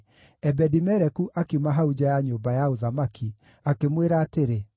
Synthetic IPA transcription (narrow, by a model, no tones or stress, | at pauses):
ɛbɛdimɛɾɛkuʔakimaɦaud͡ʑajaɲoːbajaoðamakʰi | akemweɾaːteɾe